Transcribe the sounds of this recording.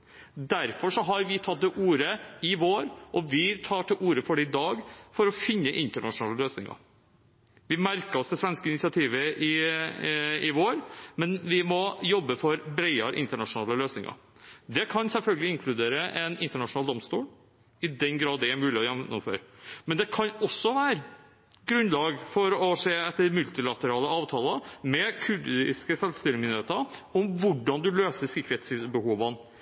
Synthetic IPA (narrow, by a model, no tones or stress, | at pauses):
d̪æɾfɔʂɔɦɑɾʋɪt̪ʰɑt̪̚d̪ɛʔuːɾəɪʋoːɾʔɔʋɪt̪ʰɑːʈɪʔuːɾəfɔɖɛɪd̪ɑːɡfɔɾɔfɪnːəʔɪnt̪əɳɑʂʊnɑːləløːsnɪ̰ŋɑ̰ | ʋɪmæɾkəɔsd̪ɛsʋɛnskəɪnɪsɪɑt̪ʰiːʋəʔɪ | ɪʋoːɾmɛnʋɪmɔjɔbːəfɔɾbɾɛɪɑɾʔɪ̰nt̪əɳɑʂʊnɑːləløːsnɪŋɑ̰ɾ | d̪ɛkʰɑnsɛlfœlɡəlɪɪŋkʰlʉd̪eːɾəʔɛnɪnt̪əɳɑʂnɑːld̪ɔmst̪uːl | ɪd̪ɛnɡɾɑːd̪ːɛæmʉːlɪɔjɛmnːʊ̰mfø̰ːɾmɛnd̪ɛkʰɑnɔsːɔʋæːɾ | ɡɾʉnlɑːɡfɔɾɔseːɛt̪ːəɾmʉlt̪ɪlɑt̪əɾɑːləɑːʋt̪ʰɑːləmɛkʰʉɾd̪ɪ̰skəsɛlst̪ɪlmɪnəɾeːt̪əɔmʋʊɖɑnd̪ʉløːsəsɪkːəɾeːt̪sbəhuːʋən